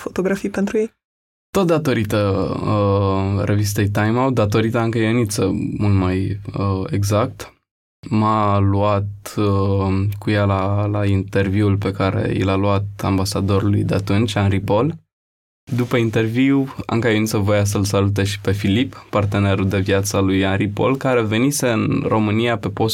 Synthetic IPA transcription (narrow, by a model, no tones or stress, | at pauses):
fo̞t̪o̞ɡɾafijpent̪ɾujej | t̪o̞t̪̚d̪at̪o̞ɾit̪əəɾʔe̞vist̪e̞jt̪ajmawd̪at̪o̞ɾit̪əɨŋkəjenit̪səmult̪majəeɡzak̚t̪ | maluat̪̚ | kujalalaint̪e̞rviulpe̞kaɾe̞̰ḭlaluat̪̚a̰mbasad̪o̞ɾulṵjd̪eat̪unt͡ʃʲanɾipo̞l | d̪upəint̪e̞rviwa̰ŋkəjənit̪səvo̞jas̬əlsalut̪̬e̞ʃi̥pe̞filipːart̪e̞ne̞ɾuld̪e̞vjat̪səlujanɾipo̞̰lkaɾe̞ve̞nise̞ɨnrʔo̞mɨnijape̞po̞s